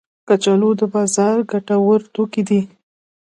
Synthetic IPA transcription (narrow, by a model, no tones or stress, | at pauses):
kat͡ʃalod̪əbɑzɑɾɡaʈawəɾt̪okid̪i